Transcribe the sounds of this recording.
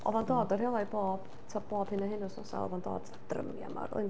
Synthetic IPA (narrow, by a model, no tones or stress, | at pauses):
ɔvandɔːdɔrjalˠajboːb̥ | tʰɔb̥oːb̥hɪnaɦɪnʊsnɔsa̰ɔ̰vando̰ːd | d̥rə̰mja̰ma̰rʊ̰ɨn